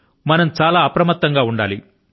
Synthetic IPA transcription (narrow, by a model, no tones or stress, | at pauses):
mɐnɐmt͡ʃaːlaːɐpɾɐmɐt̪ːɐŋɡaːuɳɖaːli